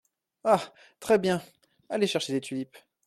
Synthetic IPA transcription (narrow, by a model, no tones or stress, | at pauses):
a | t̪χɛbjɛ̃ | aleʃɛʁʃed̪et̪ʰylip